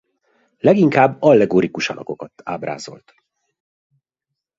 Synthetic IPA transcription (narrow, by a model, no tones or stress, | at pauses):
lɛɡiŋkaːbːɒlːɛɡoːɾikuʃɒlʔɒ̰ko̞kɒt̪a̰ːbra̰ːzo̞̰lt̪